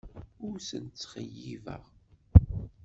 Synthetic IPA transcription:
ʊɾsə̰nt͡sːχəjːivə̰ʁ

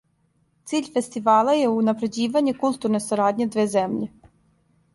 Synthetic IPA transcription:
t̪sʲilʲfesʲt̪ʲɪʋɑlˠɐjɛunɐpɾedʲiʋɐnʲːikulʲˠt̪urnɔst̪ɐɾɑdʲnʲid̪ʋʲɛzɛmlʲi

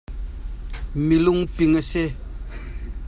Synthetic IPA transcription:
miluŋpiŋəɕe

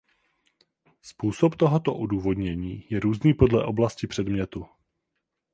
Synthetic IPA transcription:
spuːso̞pt̪oɦot̪o̞ʔoduːvo̞dɲɛɲiːjɛɾuːzniːpo̞dlɛʔo̞blascɪpr̥ɛdmɲɛt̪u

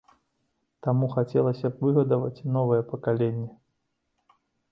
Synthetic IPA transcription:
t̪amuxat͡sʲɛlˠɐsʲɐvɨɣɐd̪ɐvɐ̰t͡sʲnɔvɐjɛpɐkalʲenʲːɛ

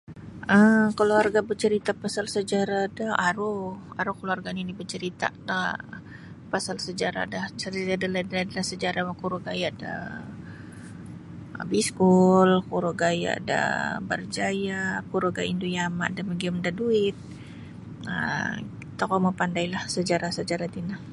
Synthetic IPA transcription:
ʔəkəluarɡabərt͡ʃəɾit̪apasalsəd͡ʒaɾadaʔaɾʊaɾʊhkəluarɡaninibət͡ʃəɾit̪a̰ta | pasalsəd͡ʒaɾa̰dat͡ʃəɾit̪adaladladəlasəd͡ʒaɾawakuɾʊɡajaʔda̰ | biskʊlkuɾʊɡaja̰ʔda̰bə̰rd͡ʒajakuɾoɡaindujama̰ʔdaməɡiʊmdaduɪt̪̚ | ə̰ | t̪akaməpandajlahsəd͡ʒaɾasəd͡ʒaɾat̪inah

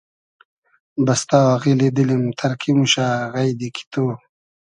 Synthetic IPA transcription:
bɐst̪aːwaɣiled̪ilimt̪ʰɐɾkʰimuɕaːɣajd̪ikʰi̥t̪oː

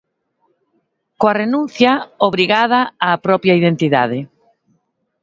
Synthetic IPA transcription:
koarenũn̟θjaoβɾiɣaðaaːpɾɔpjaiðent̪iða̰ðɪ

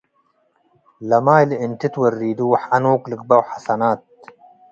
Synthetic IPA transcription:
lɐmaːjliint̪it̪wɐrːiːd̪uːħɐnuːklɨk̚bɐwħasɐnaːt̪̚

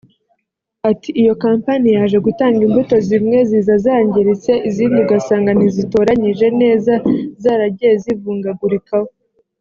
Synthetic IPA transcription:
atʰiʔːjo̞kaːmpanijaːʒe̞ɡutaːŋɡimbuto̞zimŋe̞ziːzazaːɲɟeɾit͡se̞ʔiziːnduɡasaːŋɡanizituɾaɲiʒe̞ne̞ːzazaːɾaɟeezivuːŋɡaɡuɾekaho

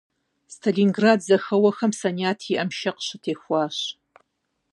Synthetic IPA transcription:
stʰɐlinɡraːdzɐxɐwɐxɐmsɐniaːtʰiʔɐmʃɐqɕɨtʰeːxʷɑːɕ

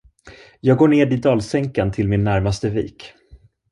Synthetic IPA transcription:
jɑːɡoːɳeːɖɪd̪ɑːlsɛŋkant̪ʰɪlmɪnːæɾmast̪əvḭːk

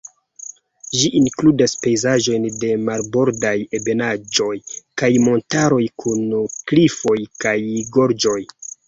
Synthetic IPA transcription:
ʒiʔiŋkludaspe̞jzaʒo̞jnde̞malbo̞ɾdaje̞be̞nad͡ʒo̞jkajmo̞ntaɾo̞jkʰunklifo̞jkajɡo̞ɾd͡ʒo̞j

